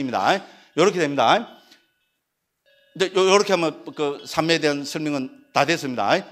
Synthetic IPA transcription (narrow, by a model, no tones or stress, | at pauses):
imɲida̰ | jʌɾʌkʰedemɲida | ind͡ʑejojʌɾʌkʰe̞ɦamʌnkɯsʰameedeansʰɯɭmiŋɯntades͈ɯmɲida̰j